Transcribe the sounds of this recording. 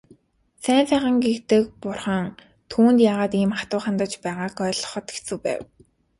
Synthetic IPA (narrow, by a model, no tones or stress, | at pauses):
sæːnsæːχə̆ŋɡext̪ɘ̆k̚pʊrχə̆ŋ | t̪ʰuːnt̪jaːʁaːt̪iːmχat̪ʊːχant̪ə̆t͡ɕpæːʁaːkœːɮɞ̥̆χɞ̆t̪e̥xʰt͡sɘ̆wpæ̰ːw